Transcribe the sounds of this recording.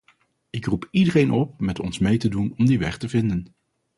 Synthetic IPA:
ɪkrupidərejnʔɔp̚mɛtɔnsmejtədunɔmdiʋɛ̰χtəvɪndən

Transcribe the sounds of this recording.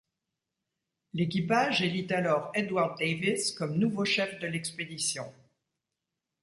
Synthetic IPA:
lek̬ʲipaʒelit̪alɔʁed̪waʁd̪̚eviskɔmnuvoʃɛfd̪əlɛksped̪isjɔ̃

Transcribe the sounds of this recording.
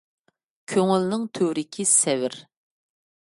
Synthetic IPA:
kʲʰøŋylnɪŋt̪ʰøwɾɪkʲʰisɛwɪɾ

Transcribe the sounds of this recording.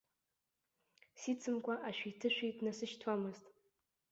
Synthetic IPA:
sit͡sʰɨmkʷʰaʔaʃᶣitʰɨʃᶣidnasɨʃtʰwamɨztʼ

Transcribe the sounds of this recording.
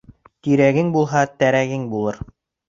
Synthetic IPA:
t̪iɾæɡɘŋbulˠɦɑt̪æɾæɡɘŋbulˠɤɾ

